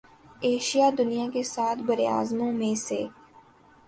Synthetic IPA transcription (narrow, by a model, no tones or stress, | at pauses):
eːʃijad̪ʊnijakesaːt̪ʰbɐɾea̰ːzmõmẽsḛː